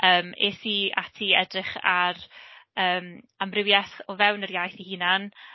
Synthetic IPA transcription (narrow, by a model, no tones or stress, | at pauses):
əːmeθia̰tʰiɛdrɪχa̰rəːm | amrɪwjaθɔvɛwnərjajθihinan